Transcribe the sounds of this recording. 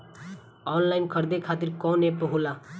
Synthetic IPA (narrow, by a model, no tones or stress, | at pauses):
ɔnlajnkʰʌɾd̪ekʰaːt̪iɾkɔ̃nepəɦula